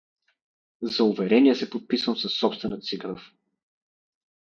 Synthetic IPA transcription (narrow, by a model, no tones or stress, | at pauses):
zɐʊvɛɾɛniɛsɛpot̪̚pisvəmsɐsːɔpst̪vɛnət̪siɡɾəf